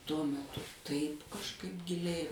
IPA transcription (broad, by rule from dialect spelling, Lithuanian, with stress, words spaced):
tuɔ mʲɛˈtʊ ˈtɐɪp kɐʃˈkɐɪp ɡʲɪˈlʲɛɪ